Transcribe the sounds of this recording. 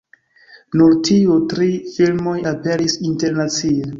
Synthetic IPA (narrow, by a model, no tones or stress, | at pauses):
nuɾtʰiutɾifilmo̞jape̞ɾisinte̞ɾnat͡sie